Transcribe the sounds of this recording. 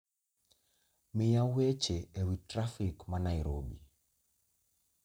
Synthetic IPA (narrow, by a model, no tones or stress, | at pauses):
mɪjawet͡ʃeewitɾafɪkmanaɪɾobḭ